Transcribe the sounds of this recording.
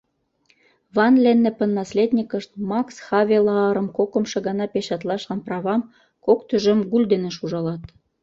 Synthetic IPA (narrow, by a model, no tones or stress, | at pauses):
vɑnlenːĕpə̆nːɑslʲed̪ʲnʲikə̆ʃt̪̚mɑksxɑβʲelɑɑɾə̆mkokə̆mʃĕɣɑnɑpeɕɑt̪lɑʃlɑnprɑβɑm | kokt̪øʒə̆mɡulʲd̪eneʃuʒɑlɑt̪